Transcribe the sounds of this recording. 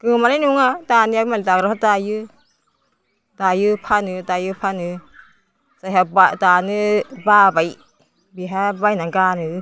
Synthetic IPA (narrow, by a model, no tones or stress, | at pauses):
ɡ̥ɯmaɾajnuŋadanɯabmalitaɡɾaɦadajɯ | d̥ajɯpʰanɯdajɯpʰanɯ | sajɦabadanɯbabaj | biɦabajnaɡanɯ